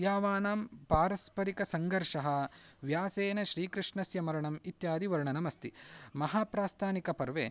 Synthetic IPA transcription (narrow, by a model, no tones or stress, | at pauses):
jaːʋaːnaːmpaːɾɐspɐɾikɐsɐŋɡɐɾʂɐɦɐʋjaːseːnɐʃɾiːkɾɨʂɳɐsjɐmɐɾɐɳɐmit̪jaːd̪iʋɐɾɳɐnɐmɐst̪imɐɦaːpɾaːst̪ʰaːnikɐpɐɾʋeː